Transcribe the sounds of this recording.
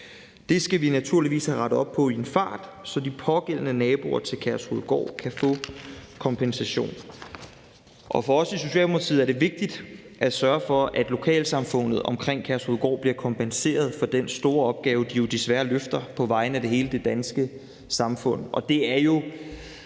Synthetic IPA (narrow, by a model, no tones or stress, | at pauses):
d̥e̝sɡ̥æʋinæt͡sʰuɐliʋḭːshæʁɑ̈ɾð̩ˠɒ̽b̥̚pʰɒ̽ie̝nfɑ̰̈ːd̥sɒ̽d̥ipʰɒ̽ɡ̥el̰ənənɛːb̥o̝ɐ̰t͡sʰe̝lkʰæɐsʁuð̩̰ˠɡ̥ɒ̰ːkʰæfɔ̰ːkʰɒ̽mpʰensæɕo̝̰ːn | ʔɒ̽fɒ̽ɒ̽siso̝ɕɛ̰ːlmo̥ɑt͡sʰḭð̩ˠæɐɾ̥e̝ʋe̝ɡ̥̚d̥id̥ | ʔæsɶːɐfɒ̽ʔæd̥lo̝kʰɛ̰ːlsɑ̈mfɔ̽n̰ð̞̩ˠɒ̽mkʰʁeŋ̰kʰæɐsʁuð̩ˠɡ̥ɒ̰ːb̥liɐkʰɒ̽mpʰense̝̰ːɐð̞ˠfɒ̽d̥ensd̥o̝ːɐɒ̽b̥̚ɡ̥ɛːʊəd̥ijo̝d̥e̝sʋæɐløfd̥ɐpʰɒ̽ʋɑ̈ɪnəæd̥e̝ɦe̝ːləd̥e̝d̥ænsɡ̥ə | sɑ̈mfɔ̽n̰ʔɒ̽d̥e̝æɐjo̝